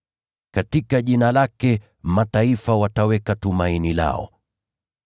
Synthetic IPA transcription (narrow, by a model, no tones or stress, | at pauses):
katikaʄinalakɛ | mataifawatawɛkatumainila̰ɔ̰